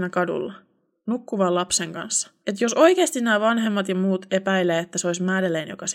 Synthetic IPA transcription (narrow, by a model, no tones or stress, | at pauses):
nækɑdṵlːɑ | nukːuʋɑlɑpseŋkɑ̰nsːɑ̥et̪joso̞ikeːst̪innæːʋɑnɦemːɑt̪jɑmuːt̪epæileːet̪ːæseoismæːdeleːnjo̰kɑs